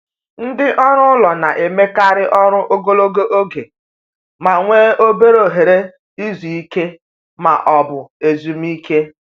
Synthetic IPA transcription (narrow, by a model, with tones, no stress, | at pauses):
n̩˦dɪ˦ʔɔ˦ɾʊ˦lɔ˨na˨ʔe˨me˦ka˦ɾɪ˦ʔɔ˦ɾʊ˦ʔo˦ɡo˦lo˦ɡo˦ʔo˦ɡe˨ | ma˨ŋʷe˦o˦be˦ɾo˨ɦe˨ɾe˦ | i˦zu˨i˦ke˦ | ma̰˨ʔɔ˨bʊ˨e˨zu˨m̩˦i˦ke˦